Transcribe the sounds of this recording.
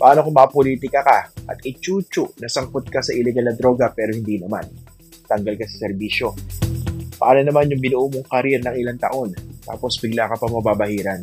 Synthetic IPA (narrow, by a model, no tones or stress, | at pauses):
pɐʔaːnokomɐʔːpoliːt̪ɪkɐkaʔɐ̰t̪ʔɪt͡ʃuːt͡ʃʊʔnɐsɐŋkot̪̚kɐsɐʔɪlɛɡalnɐd̪ɾo̞ːɡɐpɛːɾo̞hɪnd̪iːnɐma̰n | t̪ɐŋɡalkɐsɐ̥sɛɾbiːʃo̞ | pɐʔaːlonɐmanjʊŋbɪnoʔoːmoŋkɐɾɛɾnɐŋʔɪlant̪ɐ̰ʔo̞nt̪a̰ːpo̞sbɪɡlaːkɐpɐŋmɐbabɐhiːɾɐn